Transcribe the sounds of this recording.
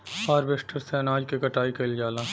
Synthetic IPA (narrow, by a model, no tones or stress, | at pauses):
paːɾbesʈəɾseɐnaːd͡ʒkekɐʈaːikeld͡ʒaːlaː